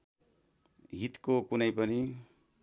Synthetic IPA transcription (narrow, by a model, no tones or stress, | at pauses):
ɦit̪kokunʌjpʌni